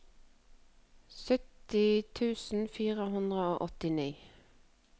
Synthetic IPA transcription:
sœt̪ɪt̪ʰʉːsn̩fiːʁəɦʉnd̪ʁəoːʔɔt̪ɪniː

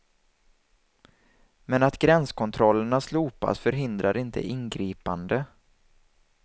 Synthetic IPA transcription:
mɛnat̪ɡɾɛnskʰɔnt̪ʰɾɔlːəɳasluːpa̰sfœɾɦɪnd̪ɾaɾɪnt̪ʰə̰ʔɪnɡɾiːpand̪ə

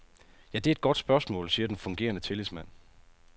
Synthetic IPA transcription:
jæd̥e̝æed̥̚ɡ̥ɒ̽d̥sb̥ɶɐsmɔ̰̽ːlsiːɐd̥enfɔ̽ŋɡ̥e̝̰ːɐnət͡sʰe̝lismæn̰

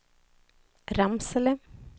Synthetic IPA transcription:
ɾamsələ

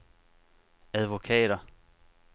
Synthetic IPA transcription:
æðˠʋo̝kʰɛ̰ːɾ̥ɐ

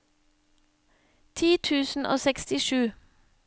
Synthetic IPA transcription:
t̪ʰiːt̪ʰʉːsn̩ʔo̰ːsɛkst̪ɪʃʉː

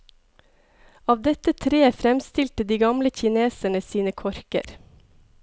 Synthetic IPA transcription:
ɑːʋd̪ɛt̪ət̪ʰɾeːfɾɛmst̪ɪlt̪əd̪iːɡɑmləçɪneːsæɳəsiːnəkʰɔɾkə̰ɾ

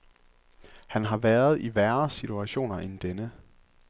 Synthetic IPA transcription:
hænɦɑ̈ʋæːɐð̞ˠiʋæɐsit͡sʰuæɕo̝̰ːnɐʔend̥enə

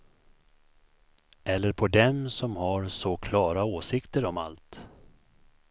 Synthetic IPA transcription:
ʔɛlːəɾpʰɔd̪ɛmsɔmhaɾsɔkʰlɑːɾaoːsɪkt̪əɾɔma̰lt̪

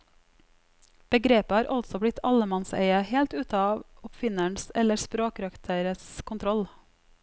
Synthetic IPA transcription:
b̥əɡɾeːpəhɑːɾʔɑlsɔblɪt̪ʰɑləmɑnsḛɪəheːlt̪ʉːt̪ɑːʋʊpfɪnəɳsɛləɾspɾoːkɾɑkt̪ʰəɾəskʰʊnt̪ʰɾɔl

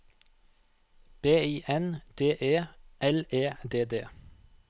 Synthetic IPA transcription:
b̥eːiːʔɛnd̪̥eːʔeːʔɛleːd̪eːd̪ḛː

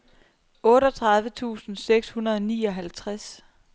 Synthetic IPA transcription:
ʔɔ̽ːɾɒ̽t͡sʰʁɑ̈ð̞ˠʋət͡sʰṵːsn̩seɡ̥shunɐðˠɒnḭːɒ̽ɦælt͡sʰʁas

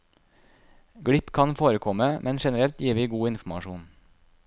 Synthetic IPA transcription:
ɡɽɪpkʰɑnfoːɾəkʰɔməmʔɛnʃɛnəɾɛlt̪jiːʋiːɡuːɪnfm̩ɑ̰ʃuːn

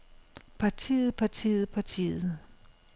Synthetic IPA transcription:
pʰɑ̈t͡sʰḭːð̩ˠpʰɑ̈t͡sʰḭð̩ˠpʰɑ̈t͡sʰḭːð̩ˠ

